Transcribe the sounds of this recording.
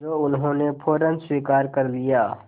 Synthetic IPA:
oʊnɦõːnepʰoːɾənswiːkaːɾkəɾlijaː

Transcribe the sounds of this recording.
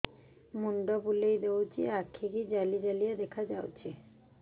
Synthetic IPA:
muɳɖobulejd̪eot͡ɕʰḭakʰːikid͡ʑalid͡ʑalijad̪ɛkʰad͡ʑawt͡ɕʰi

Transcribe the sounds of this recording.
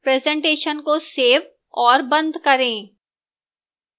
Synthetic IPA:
pɾɛːzɛ̃ɳʈeːʃənkoseːʋ | ɔːɾbɐ̃nd̪ʱkɐɾẽː

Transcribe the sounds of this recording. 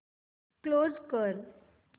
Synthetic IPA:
klozkəɾ

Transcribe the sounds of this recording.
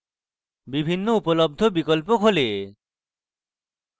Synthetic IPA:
bibʱinːoupolob̚d̪ʱobikolp̬okʰole

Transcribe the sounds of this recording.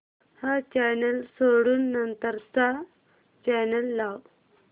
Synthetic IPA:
hat͡ɕɛnəlsoɽuːnːənt̪əɾsa | t͡ɕɛnəlːaw

